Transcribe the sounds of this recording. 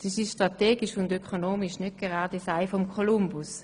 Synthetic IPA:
siʃiʃtʁateːɡiʃʊndøkʰonoːmiʃnɛt̚ɡ̥ɛʁɑːdɛsaɪfɔmkʰolumbus

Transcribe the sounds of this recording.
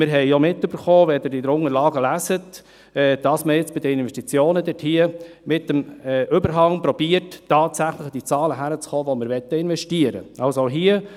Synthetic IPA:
mɪɾɦɛɪjomɪtːøbəɾχoːʋɛd̪ɪɾɪd̪əɾʊŋəɾlɑːɡəlæsət | ɛːd̥̪ɑsməjɪt͡sb̥ɪd̪əɪnvɛʃtit͡sjoːnəd̪ɪthiəmɪtːəmɛʔʏbəɾɦɑŋpɾɔbiːətːɑːt̪sæχləχd̥̪it͡sɑːləɦæɾət͡sχoːʋɔmɪɾʋɛt̪ːəɪnvɛʃtiəɾə̰ɑlsoɦiə

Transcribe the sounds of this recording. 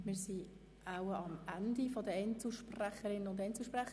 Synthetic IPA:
mɪːɾsi | aʊəɑmændifɔd̪əɛnt͡sl̩ʃpræχəɾɪnːənʊntɛnt͡sl̩ʃpræχə

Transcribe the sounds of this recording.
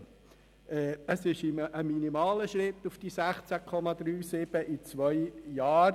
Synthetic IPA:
ɛːəsɪʃɪməminimɑːləʃɾɪt̪ːufd̥isæχt͡sækʰɔmɑd̥̪ɾyːsɪb̥əʔit͡sʋœjjɑːɾ

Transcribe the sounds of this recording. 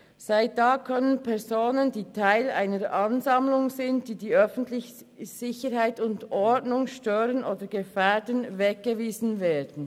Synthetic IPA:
zaɪt̚d̥aːkʰœnənpʰɛɐzoːnəndiːtʰaɪla̰ɪnəɾʔɑnzɑmlʊŋzɪntd̥iːdiːœfn̩tlɪç | sɪçəɾhaɪtʊndʔɔdnʊŋʃtøːɾənʔoːdəɡ̥əfɛːdənvɛk̚ɡ̥əviːzn̩veːdn̩

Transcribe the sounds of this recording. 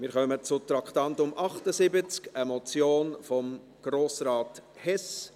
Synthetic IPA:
mɪɾχœmət͡sʊt̪ɾɑkʰtɑnt̪ʊmʔɑχtəsɪbət͡skəmɔt͡sjoːnfɔm | ɡ̥ɾoːsɾɑːt̪ | hɛs

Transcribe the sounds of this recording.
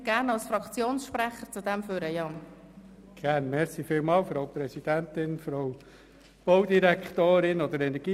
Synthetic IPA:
ɡ̥æːɾnɑlsfrɑkt͡sjoːnsʃprɛχəɾt͡sud̥̪ɛmføːɾəjɑːn | ɡ̥æːɾnmɛɾsifiːlmɑːlfɾoʊwpɾɛsid̥̪ænt̪ɪnfɾoʊ | b̥oʊd̪iɾɛkχt̪oːɾɪnod̪əɾɛnɛɾɡ̥iː

